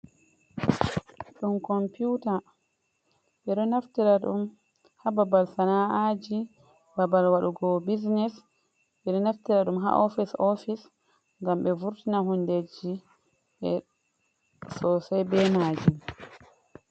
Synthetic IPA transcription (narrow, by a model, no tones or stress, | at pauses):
ɗumkɔmputa | ɓɛɗɔnaftiɾaɗṵm | hababalsanaʔad͡ʒi | babalwaɗuɡɔbiznɛs | ɓɛɗɔnaftiɾaɗumɦa̰ʔɔfisɔfis | ŋɡamɓɛvuɾtinaɦunded͡ʒi | ʔɛ | sɔsajbɛmad͡ʒum